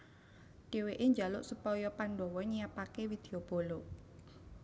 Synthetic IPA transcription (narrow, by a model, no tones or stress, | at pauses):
ɖ̥e̤weʔeɲd͡ʒalʊʔsupɔjɔpanɖɔwɔɲijapakewid̪̥eob̥o̤lo